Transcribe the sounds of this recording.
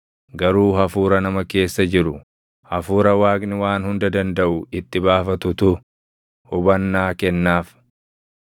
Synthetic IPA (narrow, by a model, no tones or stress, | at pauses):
ɡɐɾuːhɐfuːɾɐnɐmɐke̞ːsːɐd͡ʒɪɾʊ | hɐfuːɾɐwaːɡnɪwaːnhʊnd̪ɐd̪ɐnd̪ɐʔʊɪt̪ːɪbaːfɐt̪ʊt̪ʊ | hʊbɐnːaːkɛnːaːf